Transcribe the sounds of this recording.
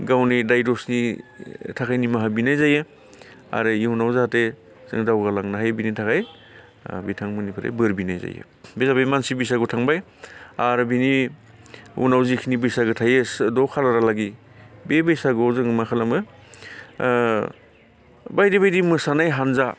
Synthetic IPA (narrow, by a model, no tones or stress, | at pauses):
ɡawnidajdosni | tʰakʰajnimaɦabinajzajɯ | a̰ɾɯiunawzahate | z̥ɯ̰ŋdawɡalaŋnaɦajbinitʰakʰaj | bitʰaŋmɯnipʰɯɾa̰jbɯɾbinajza̰jɯ̰ | bezabajmansibisaɡotʰaŋbaj | aɾbini | ṵnawzikʰinibisaɡɯtʰajɯsdɔkʰalaɾalaɡi | bebejsaɡozɯŋmakʰalamɯ | bajdibajdimɯsanajɦanza